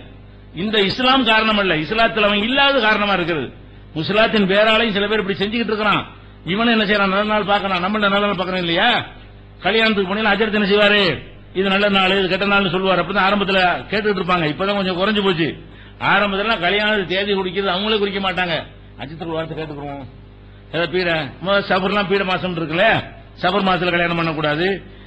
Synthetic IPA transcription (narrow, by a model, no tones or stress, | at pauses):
ɪnd̪ɐɪslaːmkaːɾɐɳɐmɐɪlːɐɪslaːt̪ːɪlɐʋɐŋɡɐɪlːaːʋɐðɯkaːɾɐɳɐmaːɪɾɯkːɪɾɐðɯ̰ | mʊslaːt̪ːɪnpeːɾaːlɐjʊ̃sɪlɐpeːɾɪpːɐɽisɛɲd͡ʒɪkːɪʈːɪɾɯkːɐɾãː | ɪʋɐnʊ̃ɛnːɐsɛjɾãːnɐlːɐnaːlpaːɾkɐɭãːnɐmːɐnɐnɐːlɐnaːlpaːɾkːɐɾɐ̃ːɪlːɐjaː | kɐɭjaːnɐt̪ːɯkːɯpːɐɳːɪjlãːɐd͡ʒɐɾɐt̪ɯɛnːɐs̬ɛjʋaːɾe | ɪðɯnɐlːɐnaːɭɯɪðɯkɛʈːɐnaːlnːɯsɔlːɯʋaːɾɯɐpːɽɪt̪ãːaːɾɐmbɐt̪̬ːɪlɐkeːʈːɯkːɪʈ̬ːɪɾɯp̬ːaːŋɡɐɪpːoːt̪ãːkɔɲd͡ʒɔ̃kʊɾɐɲd͡ʒɯpoːt͡ʃːɯ | aːɾɐmbɐt̪ːɪllːãːkɐlɪjaːnɐːɯt̪eːʋikʊɽɪkːɪɾɐðɯɐʋɐŋɡɐɭeːkʊɾɪkːɐmaːʈːaːŋɡɐ | ɐ̰t͡ʃːɐt̪ːɯkːʋaːɾɐt̪̬ːɯkeːʈːɯkːɾõ | ɛðaːpiːɽɐmsɐbɐɾlːãːpiːɽɐmaːsɐmʈːɪɾɯkːɐlɐjaː | sɐbɐɾmaːst̪ɪlɐkɐɭjaːnɐmpɐɳːɐkːuːɽaːðɯ